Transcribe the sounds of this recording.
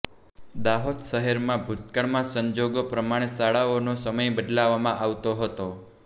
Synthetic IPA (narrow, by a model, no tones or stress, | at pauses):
d̪aɦod̪ʃəɦeɾmãbʱut̪kəɳmãsəɲd͡ʒoɡopɾəmaɽ̃esaɭaonosəməjbəd̪laʋamãʔaʋt̪oɦət̪o